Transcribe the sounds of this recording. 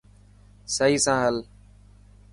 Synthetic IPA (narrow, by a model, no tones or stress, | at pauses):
səiːsãːɦəl